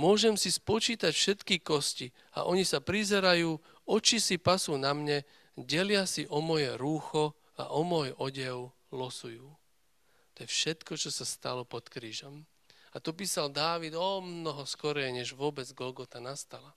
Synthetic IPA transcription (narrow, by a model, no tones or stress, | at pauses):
mʊɔʒɛmsispɔt͡ʃiːt̪acfʃɛt̪kikɔsci | a̰ʔɔɲisapɾizɛɾajuː | ɔt͡ʃisipasuːnamɲɛ | ɟɛlɪasiʔɔmɔjɛɾuːxɔ | a̰ʔɔmɔjɔɟɛʊ | lɔsujuː | t̪ɔjɛfʃɛt̪kɔt͡ʃɔsast̪a̰lɔpɔt̪kɾiːʒɔm | at̪ɔpiːsald̪aːʋid̪ɔmnɔɦɔskɔɾɛjɲɛʒʋʊɔbɛd͡zɡɔlɡɔt̪anast̪ala